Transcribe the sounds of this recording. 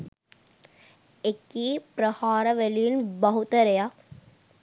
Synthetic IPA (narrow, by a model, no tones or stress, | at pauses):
ekːiːpɾɐhaːɾɐʋelijinbɐɦut̪ɐɾeja